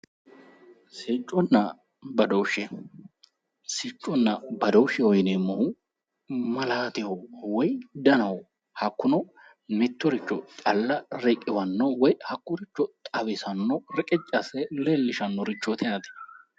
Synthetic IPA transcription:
sɪt͡ʃʼːɔnːɐ | bɐd̪ɔwʊʃːɛ | sɪt͡ʃʼːɔnːɐbɐd̪ɔwʊʃɛɔjnɛmːɔhʊ | mɐlaːt̪ɪhɔwɔjd̪ɐnɐwɔ | hɐkːʊnɔ | mɪt̪ːɔɾɪt͡ʃːɔt̪ʼɐlːɐɾɛkʼːɪwɐnːɔwɔjhɐkːʊɾɪt͡ʃːɔt̪ʼɐbɪsɐnːɔɾɛkʼɛt͡ʃʼːɐsɛlelːɪʃɐnːɔɾɪt͡ʃːɔt̪ʰɛɐt̪ɪ̥

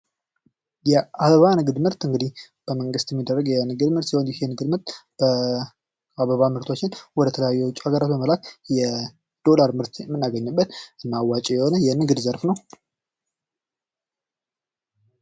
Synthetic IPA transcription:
jɛaβəβanɨɡɨd̪mɨɾt̪ɨŋɡɨd̪ih | b̥əməŋɡɨst̪jɛmːid̪ːərːəɡjɛnɨɡɨd̪mɨɾt̪siond̪ɛhenɨɡɨd̪mɨɾt̪b̥ə | aβəβamɨɾt̪ʰo̞t͡ʃːɪnwɔd̪ət̪ʰələjajːɛwʊt͡ʃʼuaɡəɾat̪bəməlakjɛ | d̪̥o̞laɾmɨɾt̪jɛmːɨnːaɡəɲːɨbːət̪ʔɨnːawːat͡ʃʼɛjɛhonəjɛnɨɡd̪zəɾfnəw

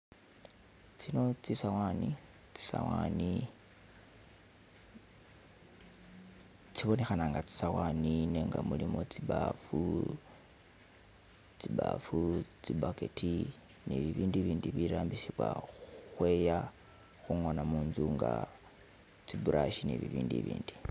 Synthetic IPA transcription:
t͡sino̞t͡sisawani | t͡si̥sa̰wani | t͡siβo̞ne̞xanaːŋɡat͡si̥sawanineŋɡamulimo̞t͡sibafu | t͡siba̰fut͡sibaketʰi | nḛβiβiːndiβiːndiβiɾaːmbisiβwa̰uxwe̞ja | xuŋo̞namuːnzuŋɡa | t͡sibuɾʔaʃineβiβiːndḭβḭːndi

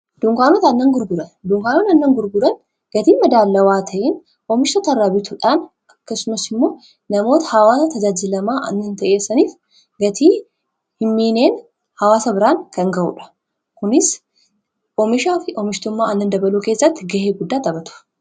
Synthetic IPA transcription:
d̪̥uŋkaːnot̪ɐnːɐŋɡʊɾɡʊɾɐnd̪uŋkaːnot̪ɐnːɐŋɡʊɾɡʊɾɐn | ɡ̥ɐt̪iːmɐd̪aːlːɐwaːt̪ʰɐʔɪn | ʔɔmɪʃt̪ɐt̪ɐrːɐbɪt̪ʊᶑaːn | ɐkːɐsʊmɐsɪmːo̞ː | nɐmo̞ːt̪ɐ̥hɐwaːsɐt̪ɐd͡ʒaːd͡ʒɪlɐmaːʔɐ̰nːɐnt̪ɐʔeːsːɐniːf | ɡɐt̪ʰiː | hɪmːiːneːn | hɐwaːsɐbɪɾaːŋkɐŋɡɐʔṵᶑɐ̥ | kʊnɪs | ʔɔmɪʃaːfɪʔɔmɪʃt̪ʊmːaːɐnːɐnd̪ɐbɐluːke̞ːsːɐt̪ːɪɡɐheːɡʊd̪ːaːt̪ɐbɐt̪ʊ̥

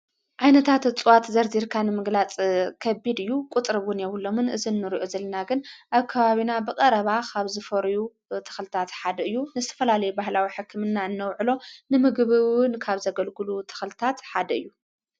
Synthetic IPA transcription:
ʕajnɐt̪ʰat̪t͡sʼɨwat̪zɐɾziɾkʰanɨmɨɡlat͡sʼkʰɐbid̪ɨjːukʼut̪ʼɾɨβwʊnjɛwulːo̞mɨnɨzinːɨɾiʔozɐlːɐnaɡɨnʔaβkʰɐβaβinabɨkʼɐɾɐβakʰaβzɨfɐɾju | t̪ʰɨ̥xlɨt̪ʰat̪ħad̪ɐɨjːunɨzɨt̪ʰɐ̥fɐlalɐjubahlawiħɨkʰːɨmɨnːaɨnːɐwʕɨlo̞nɨmɨɡβɨwɨnkʰaβzɐɡɐlɡɨlut̪ʰɨ̥xlɨt̪ʰat̪ħad̪ɐɨjːu

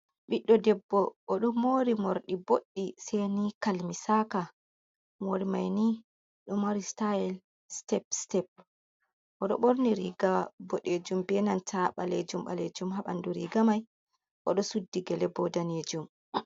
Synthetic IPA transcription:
ɓiɗːɔdɛbːɔʔːɗɔmoɾimoɾɗiboɗːisɛjnikalmisaka | moɾimajni | ɗɔmoɾistaɛl | stɛp̚stɛp̚ | ʔɔɗɔɓoɾniɾiɡabɔɗed͡ʒumbɛnantaɓaled͡ʒumɓa̰led͡ʒumɦaɓa̰nduɾḭɡamaj | ʔɔɗɔsudːiɡɛlɛbɔdaned͡ʒum

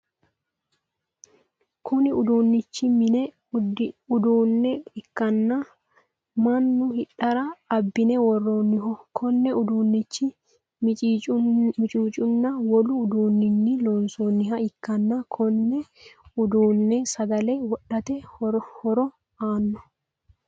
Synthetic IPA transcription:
kʰʊnɪʊd̪uːnːɪt͡ʃːɪmɪnɛ | ʊd̪uːnːɛɪkːɐnːɐ | mɐnːʊhɪᶑɐɾɐɐbːɪnɛwɔrːoːnːɪɦɔkʰɔnːɛʊd̪uːnːɪt͡ʃːɪ | mɪt͡ʃʼit͡ʃʼmɪt͡ʃʼuːt͡ʃʼʊnːɐwɔlʊːd̪uːnːɪnːɪloːnsoːnːɪɦɐɪkːɐnːɐkʰɔnːɛʊd̪uːnːɛsɐɡ̪ɐlɛwɔɗɐt̪ɛɔhɔɾɔ | aːnːɔ

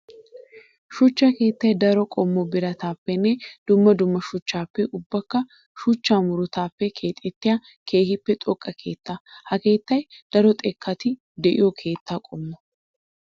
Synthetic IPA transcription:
ʃʊt͡ʃːake̞ːt̪ːɐjd̪ɐɾɔkʼɔmːɔbɪɾɐt̪aːpːɛnːɛd̪̥ʊmːɐd̪ʊmːɐʃʊt͡ʃːaːpːɛʔʊbːɐkːɐ | ʃʊt͡ʃːaːmʊɾʊt̪aːpːɛkʰe̞ːt̪ʼːɛt̪ːɪja | kʰe̞ːhɪpːɛt̪ʼɔkʼːɐkʰe̞ːt̪ːahɐke̞ːt̪ːɐjd̪̥ɐɾɔt̪ʼɛkʰːɐt̪ɪ | d̪ɛʔɪ̰jɔkʰe̞ːt̪ːaːkʼɔmːɔ

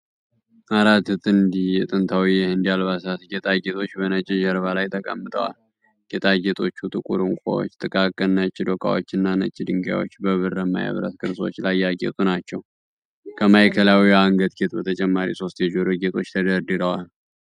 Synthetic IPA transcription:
ʔaɾat̪ːɨt̪ʼɨnd̪ijɛt̪ʼɨnt̪ʰawiɛhɨnd̪ijalβasat̪ɡet̪ʼaɡet̪ʼo̞t͡ʃːbənət͡ʃʼːɪʒəɾβalajt̪ʰəkʼə̰mːɨt̪ʼə̰wa̰l | ɡet̪ʼaɡet̪ʼo̞t͡ʃːut̪ʼɨkʼuɾɨŋkʷʼo̰wo̰t͡ʃːt̪ʼɨkʼakʼːənːət͡ʃʼːɪd̪okʼa̰wo̰t͡ʃːɪnːanə̰t͡ʃʼːɪd̪ɨŋɡja̰wo̰t͡ʃːbəβɨrəmːa̰ja̰βɾə̰t̪kʰɨɾso̞̰t͡ʃːlajːaɡḛt̪ʼunat͡ʃːɛw | kʰəmajkʰəlawiaŋɡət̪ɡet̪bət̪ʰət͡ʃʼɛmːaɾḭso̞st̪jɛd͡ʒoɾoɡet̪ʼo̞t͡ʃːt̪ʰəd̪əɾd̪ɨɾəwal

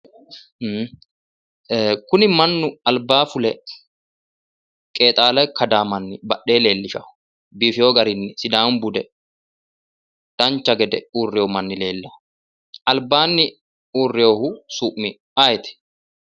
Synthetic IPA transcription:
kʊnɪmɐnːʊɐlbaːfʊlɛ | kʼe̞ːt̪ʼaːlɐjkɐd̪aːmɐnːɪbɐɗːe̞ːle̞ːlːɪʃɐ̰ʊ | biːfɪjoːɡɐɾɪnːɪsɪd̪aːmbʊd̪ɛ | d̪̥ɐnt͡ʃːɐɡɛd̪ɛuːrːɪjoːmɐnːɪle̞ːlːɐ | ɐlbaːnːɪ | uːrːɪjoːhʊsuːʔmɪ | ajɛt̪ɪ̥

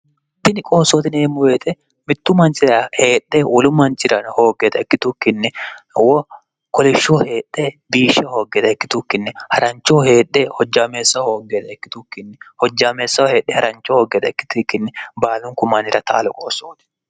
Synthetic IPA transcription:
t̪ːɪnɪkʼo̞ːsːoːt̪ɪneːmːʊwe̞ːt̪ʼɛ | mɪt̪ːʊmɐnt͡ʃʼɪɾɐhe̞ːɗːewɔlʊmɐnt͡ʃʼɪɾɐnho̞ːɡeːt̪ɐɛkːɪt̪ʊkːɪnːɪwɔ | kɔlɪʃːoːhe̞ːɗːebiːʃːɐho̞ːɡːeːt̪ɐɛkːɪt̪ʊkːɪnːɛhɐɾɐnt͡ʃːoːhe̞ːɗːehɔd͡ʒːaːme̞ːsːɐhoːɡeːt̪ɐɛkːɪ̥t̪ʊkːɪnːɪhɔd͡ʒːaːme̞ːsːɐwhe̞ːɗːɛhɐɾɐnt͡ʃːohoːɡeːt̪ɐɛkːɪ̥t̪ːkːɪnːɪbaːlʊŋkʊmanɪɾɐt̪a̰ːlʊkʼoːsːoːt̪ɪ̥

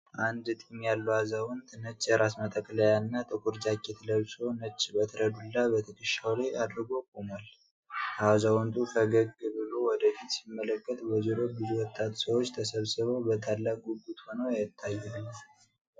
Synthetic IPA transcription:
ʔand̪ɨt̪ʼimjalːuhazawɔnt̪ʼnət͡ʃʼːjɛɾasmət̪ʼəkʼləjanːat̪ʼɨkʰʼuɾd͡ʒakːet̪ləβsonət͡ʃʼːbət̪ʰəɾəd̪ulːabət̪ʰəkʰʼɨʃawlaad̪ɾɨɡo̞kʼomal | ʔazawɔnt̪ʼukʰəɡəɡɨbɨlo̞wɔd̪əfit̪simːələkʼːət̪bəzuɾobɨzuwɔt̪ʼːat̪səwot͡ʃːt̪ʰəsəβsɨβəwbət̪ʰalːakʼuɡːut̪ho̞nəwjajɪt̪ʰːajːalːm

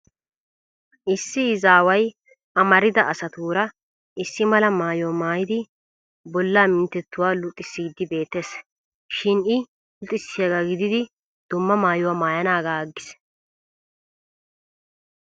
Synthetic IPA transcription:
ʔɪsːɪːzaːwɐj | ʔɐmɐɾɪd̪ɐɐsɐt̪uːɾɐ | ʔɪsːɪmɐlɐmaːjɔwmaːjɪd̪ɪ | bɔlːaːmɪnt̪ːɛt̪ːʊwaːlʊt̪ʼːɪsːiːd̪ːɪbe̞ːt̪ːeːs | ʃɪnɪ | lʊt̪ʼːɪsːɪjaɡaɡɪd̪ɪd̪ɪ | d̪̥ʊmːɐmaːjʊwamaːjɐnaːɡaːɡːɪs

